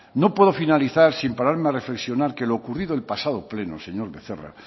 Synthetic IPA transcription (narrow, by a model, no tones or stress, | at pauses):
no̞pweðo̞finaliθaɾsimpaɾaɾmeare̞fleksjo̞naɾke̞loːkuriðoelpasað̞ople̞no̰se̞ɲo̞ɾβe̞θera̰